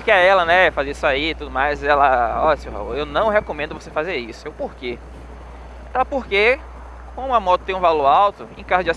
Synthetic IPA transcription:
pɾkeɛɛlɐnɛɛfazeisʊaiːt̪ud̪ʊmajzɛlaɔʎɐseowɦa̰ṵewnɐ̃w̃ɦekõmẽnd̪ʊvosefazeɾisʊewpoɾkẽ | t̪ɐ̃poɾke | kõmʊamɔt̪ʊt̪ẽũvaloɾawt̪ʊẽkazʊd͡ʒa

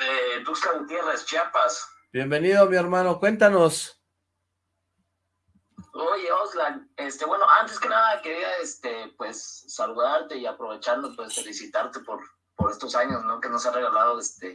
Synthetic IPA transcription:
et̪ukslaɣut̪jerest͡ʃjapas | b̥je̞mbe̞niðomieɾmanokwe̞nt̪ano̞s | oʝeozlanest̪e̞βwe̞noʔant̪eske̞naðake̞ɾiaest̪epwe̞sːaluðaɾt̪e̞iapɾo̞βe̞t͡ʃaɾnopeselisit̪aɾt̪e̞poɾ | poɾe̞st̪osaɲo̞sno̞ke̞no̞seareɣalað̞oest̪e

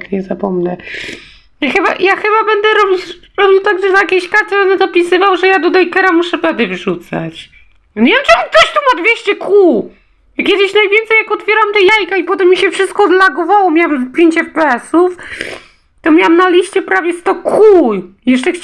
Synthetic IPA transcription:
kɲɛzapɔmnɛ | jaxɘba̰jaxɘbabɛnd̪ɛɾɔbʲiɾɔbʲiwt̪aɡʐɛzajakʲeɕkaɾt̪ɛbɛnd̪ɛnapʲisɘvawʐɛjad̪ɔd̪ɛjkɛɾamuʂɛbɛd̪ɨvʐut̪sa̰t͡ɕ | ɲʲevʲjɛmt͡ʂɨuk̚t̪ɔɕt̪ɔmad̪vʲjeɕt͡ɕɛkʰu | kʲɛd̪ɪɕnajvʲjɛnt̪sɛjakɔt̪fʲjɛɾamt̪ɛjajkaipɔt̪ɛmːiɕɛfʂɨst̪̚kɔːd̪laɡɔvawɔmʲjawamzpʲjeɲt͡ɕɛfpɛɛsuf | t̪ɔmʲjawamnalʲiɕt͡ɕɛpɾavʲjɛst̪ɔkʰujɛʂt͡ʂɛx

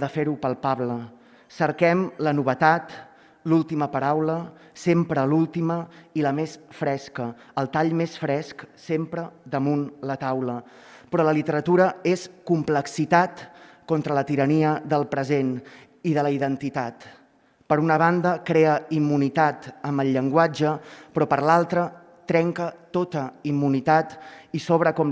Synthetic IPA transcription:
ðəfeɾupəlˠpaβlə | səɾkɛmlənuβət̪at̪ | lulˠt̪iməpəɾawlə | sempɾəlulˠt̪iməiləmesfɾɛskəː | lˠt̪aʎmesfɾɛsksempɾəd̪əmunlət̪awlə | pɾɔləlit̪əɾət̪uɾəeskumpləksit̪at̪kɔnt̪ɾələt̪iɾəniəðəlˠpɾəzen | iðələiðənt̪it̪at̪ | pəɾunəβ̞and̪əkɾeəimːunit̪at̪əmbəlʎːəŋɡwad͡ʒəpɾɔpəɾlalˠt̪ɾə | t̪ɾɛŋkət̪ot̪əimːunit̪at̪isɔβɾəkɔm

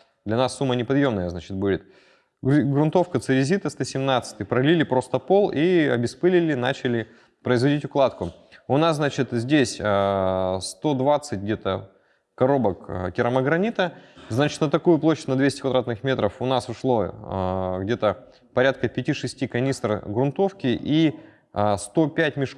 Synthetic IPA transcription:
d̪lʲɐnasːumːənʲɪpɐd̪jo̞mnəjəznat͡ɕɪ̥t̪̚budʲɪt̪ | ɡɾʊnt̪o̞fkət̪sɨɾʲɪzʲit̪əst̪osʲɪmnat̪sɨ̥tʲɨpɾɐlʲilʲɪpɾo̞st̪əpo̞lˠiɐ̰bʲɪspɨlʲɪlʲɪna̰t͡ɕɪlʲɪ | pɾəɪzvɐdʲitʲʊklˠat̪kʊ | ʊnasznat͡ɕɪt̪zʲdʲesʲəst̪o̞d̪vat̪sɨtʲɡdʲe̞t̪ə | kɐɾo̞bəkkʲɪɾəməɡɾɐnʲit̪əznat͡ɕɪ̥t̪nət̪ɐkujʊplˠoɕʲnəd̪vʲesʲtʲkvɐd̪ɾat̪nɨxmʲe̞t̪ɾəfʊnasʊʂlˠo̞ | ɡdʲe̞t̪ə | pɐɾʲat̪̚kəpʲɪtʲiʂɨsʲtʲikɐnʲist̪rɡɾʊnt̪o̞fkʲɪʔi | st̪o̞pʲætʲmʲɪʂ

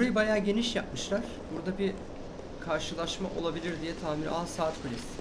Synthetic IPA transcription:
buɾajɯbajaːɟe̞niʃjap̚mɯʃlˠaɾ̥buɾd̪abi | kʰaɾʃɯlˠaʃma̰ʔo̞lˠabilʲiɾd̪ijɛt̪ʰaːminʲo̰ansaːt̪̚kʰolʲis

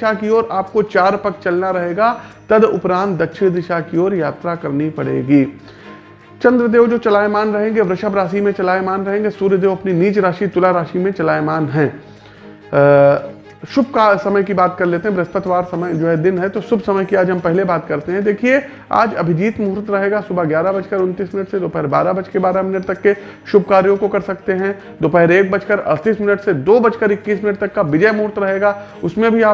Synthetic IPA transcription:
ʃakioːɾaːp̚kot͡ʃaːɾpɐk̚t͡ʃɐlnaɾɐɦeːɡat̪ɐd̪ʊpɾãːnt̪̚d̪ɐtːʃʰid̪ɪʃakiɔːɾjaːt̪ɾakɐɾnipɐɽ̤ḛːɡiː | t͡ʃɐ̃nd̪ɾəd̪eːʋd͡ʒoːt͡ʃɐlaːjmaːnɾɐɦẽːŋɡeʋɾɐʃabɾaːsimẽt͡ʃɐlaːjmaːnɾɐɦẽːŋɡesuːɾjəd̪eːʋɐpniniːt͡ʃɾaːʃit̪ʊlaɾaːʃimẽt͡ʃɐlaːjmaːnɦɛ̃ː | ʃʊbkasɐməjkibaːt̪kɐɾleːt̪ẽɦɛ̃bɾɐspət̪ʋaːɾsɐməjd͡ʒoːɦɛd̪ɪnɦɛt̪osʊbʱsɐməjkiaːd͡ʒɦɐmpɛɦlebaːt̪kɐɾt̪eɦɛ̃d̪eːkʰie | a̰ːd͡ʒɐbʱɪd͡ʒiːt̪muːɾt̪ɾɐɦeːɡasʊbʱaɡjaːɾabɐt͡ʃkəɾʊ̃nt̪iːsmɪnəʈsed̪oːpɛɦɾba̰ːɾabɐt͡ʃkebaːɾamɪnəʈ̚t̪ɐkːe | ʃʊbʱkaːɾjõkokɐɾsɐkt̪eɦɛ̃ | d̪oːpɛɦɾeːk̚bɐt͡ʃkəɾɐ̰st̪iːsmɪnəʈsed̪oːbɐt͡ʃkəɾɪkːiːsmɪnəʈ̚t̪ɐkːaʋɪd͡ʒəjmuːɾt̪ɾɐɦeːɡaː | ʊsmẽbʱiaː

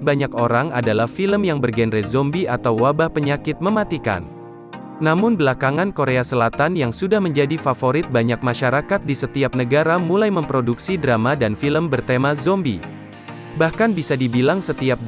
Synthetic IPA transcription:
baɲakoɾaŋa̰dalahfiləmjaŋbərɡɛnrɛzɔmbiat̪awːabahpəɲakɪt̪̚məmat̪ika̰nː | amʊnbəlakaŋankoɾeasəlat̪anjaŋsudahməɲd͡ʒadifafoɾɪt̪̚baɲak̚maʃaɾakat̪̚disət̪iap̚nəɡaɾamulajməmpɾoduksidɾamadanfiləmbərt̪emazɔmbḭ | bahkanbisadibilaŋsət̪iap̚

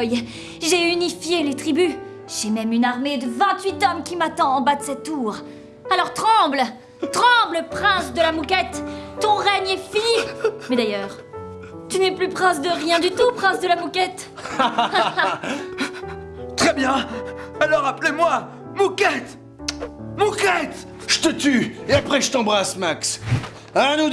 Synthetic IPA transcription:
j | ʒeynifjelet̪χiby | ʒ̥ɛmɛmynaʁmed̪əvɛ̃t̪ɥit̪ɔmkʲimat̪ɑ̃ːbad̪əsɛt̪ːuʁ | alɔʁt̪χɑ̃bl | t̪χɑ̃bləpχɛ̃sd̪əlamukʲɛt̪ːɔ̃ʁɛɲɛfimɛd̪ajœːʁ | t̪ynɛplypχɛ̃sd̪əʁjɛ̃d̪yt̪upχɛ̃sd̪əlamukʲɛt̪ | t̪χɛbjɛ̃ | alɔʁaplemwa | mukʲɛt̪ | mukʲɛt̪ | ʒ̥ə̥t̪ət̪yeapχɛʒət̪ɑ̃bʁasmaks | anu

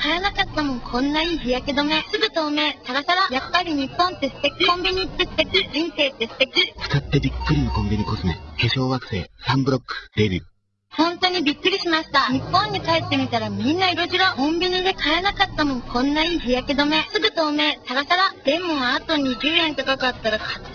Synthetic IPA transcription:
kaenakat̪ːamõ̞ŋkʰõ̞nːaiːçijaked̪o̞me̞sɨɡɯt̪o̞ːme̞ːsaɡasaɾajapːaɾʲiɲ̟ipːõ̞nt̪e̞si̥t̪e̞kʲikkõ̞mbʲiɲ̟it̪ːest̪e̞kʲid͡ʑĩɰ̃se̞ːt̪ːesi̥t̪e̞kʲit͡sɨ̥kat̪ːe̞bʲikːɯ̟ɾʲino̞kõmbʲiɲ̟iko̞sɨnḛkeɕo̞ːɡakɯ̟̥se̞̰ːsãmbɯ̟ɾo̞kːɯ̥ɾebʲḭ | hõ̞nt̪o̞ɲ̟ibʲikːɯ̟ɾʲiɕimaɕi̥t̪aɲ̟ipːõ̞ɲ̟ːikaet̪ːe̞mʲit̪aɾamʲĩnːaiɾo̞ʑiɾakõ̞mbʲiɲ̟id̪e̞kʰaenakat̪ːamõ̞ŋkʰõ̞nːaiːçijaked̪o̞me̞sɨɡɯ̟t̪o̞ːme̞ːsaɡasaɾad̪̥ẽ̞mːoat̪o̞ɲ̟iɾʲɨːẽ̞nt̪o̞kakat̪ːaɾakḁ

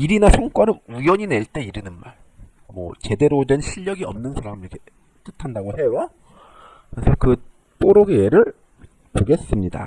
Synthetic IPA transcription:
iɾinasʰoŋk͈waɾɯnujʌɲine̞ɭt͈e̞iɾɯnɯnma̰ɭ | mwʌ̰t͡ɕe̞de̞ɾodwenɕʰiʎːʌɡiʌ̰mnɯnsʰaɾamiɾike | t͈ɯtʰandaɡoɦe̞wa | kesʰʌkɯ | p͈oɾoɡejeɾɯɭ | poɡe̞s͈ɯmɲida̰

